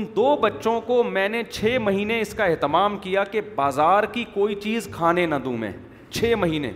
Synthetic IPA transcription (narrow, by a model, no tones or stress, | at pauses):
ɪnd̪oːbɐtːʃõkomɛ̃ːnet͡ʃʰeːmɐɦiːneɪskaɛɦt̪ɪmaːmkijakebaːzaːɾkikoːit͡ʃiːzkʰaːnenɐd̪ṵ̃ːmḛ̃ː | t͡ʃʰeːmɐɦiːnḛ̃ː